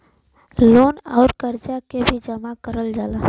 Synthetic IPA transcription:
loːna̰ʊɾkəɾd͡ʒakebʱid͡ʒəmakəɾəld͡ʒaːla

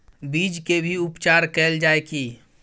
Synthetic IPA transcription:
bid͡ʒkebʱiupt͡ʃaɾkɛːld͡ʒaeki

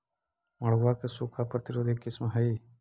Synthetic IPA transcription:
məɭ̤ʋaːkesukʰapɾət̪ɪɾoːd̪ʱikɪsmɦəiː

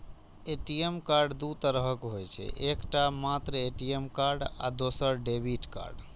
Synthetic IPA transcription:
eʈiemkaɾɖd̪ut̪əɾəɦəkɦojt͡ʃʰɛ̰ʔekʈamat̪ɾəeʈiemkaɾɖa̰d̪osəɾɖebʱiʈka̰ɾɖ

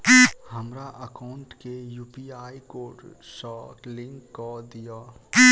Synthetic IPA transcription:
həmɾaʔəkaːʊɳʈkejuːpiaːikoːʈsɔːklɪ̃ŋkːod̪ija

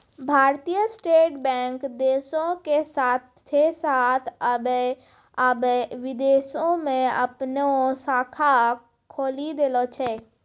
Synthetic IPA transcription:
bʱaːɾt̪ijəsʈeːʈbɛ̃ːŋkd̪eːʃõkesaːt̪ʰː | esaːt̪ʰəbe | əbʋɪd̪eːsõmẽɐpnosaːkʰa | kʰoːlid̪eːlot͡ʃʰɛː

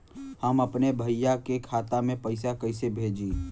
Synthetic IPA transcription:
həməpnebʱəɪjakekʰaːt̪amẽpəɪsakəɪsebʱeːd͡ʒiː

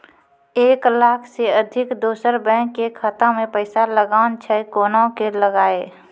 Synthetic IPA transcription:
eːklaːkʰseəd̪ʱɪkd̪oːsəɾbɛ̃ːkːekʰət̪amẽpəɪsaləɡaːʊnt͡ʃʰɛjkoːnãkeləɡaːeː

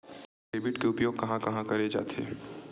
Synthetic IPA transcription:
eːbɪʈkeʊpjoːɡ̚kɐɦãkɐɦãkɐɾed͡ʒa̰ːt̪ʰḛː

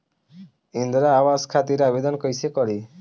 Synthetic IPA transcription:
ind̪ɾaːwaskʰat̪iɾabed̪ɔnkɔjsekɔɾi

